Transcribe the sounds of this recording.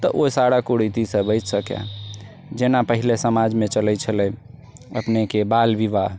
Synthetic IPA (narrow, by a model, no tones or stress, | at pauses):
t̪əʔosaɽakoɽit̪isəbəjt͡ʃsəka̰ | d͡ʒenapəɦilesəmad͡ʒmet͡ʃəlɛt͡ʃʰəlɛ | ə̰pnekebalbibaɦ